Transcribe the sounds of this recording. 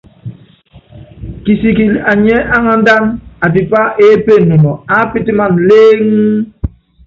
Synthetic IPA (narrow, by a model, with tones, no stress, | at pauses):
ki˨si˨ki˨la˨ɲɛ˦a˦ŋa˨n̩˦da˦na˨bi˨pa˦ʔe˦pe˦˨nu˨nɔ˨a˦pi˦ti˦ma˦˨n˨leː˦ŋ̩˦